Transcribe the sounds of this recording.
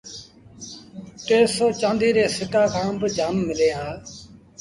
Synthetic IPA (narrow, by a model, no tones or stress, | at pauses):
ʈeːsoːt͡ʃãːnd̪iːɾeːsɪʈaːkʰãːmbəd͡ʒaːmːɪleːɦãː